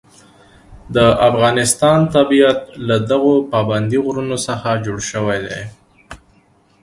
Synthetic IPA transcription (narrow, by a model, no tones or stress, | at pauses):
d̪əʔafɣɑnɪst̪ɑnt̪abijat̪̚lad̪aɣopɑband̪iɣɾunosəxad͡ʒoɽʃəwajd̪ej